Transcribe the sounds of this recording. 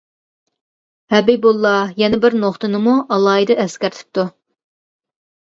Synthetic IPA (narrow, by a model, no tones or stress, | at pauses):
hɛbibulˠːɑjɛnɪbɪɾnoχt̪ɨnɨmuʔɑlˠɑːjd̪ɨɛskʲæɾt̪ʰɪ̥p̚t̪u